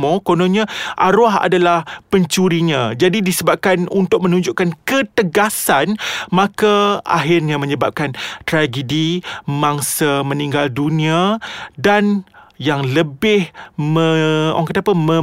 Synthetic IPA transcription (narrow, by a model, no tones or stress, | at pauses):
mõkonõɲãʔaɾoaɦa̰dalahpəɲt͡ʃuɾiɲãd͡ʒadidisəbap̚kanunt̪ʊk̚mə̃nũɲd͡ʒuʔkankət̪əɡasanmãkaa̰ɦɪrɲãmə̃ɲəbap̚kant̪ɾaɡədimãŋsamə̃niŋɡaldunĩadanjaŋləbɪhmə̃o̰ŋkət̪apəmə̃